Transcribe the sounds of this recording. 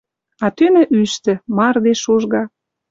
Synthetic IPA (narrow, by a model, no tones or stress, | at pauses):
ɑt̪ynə̆ʔyʃt̪ɘ̆mɑrd̪eʃuʒɣɑ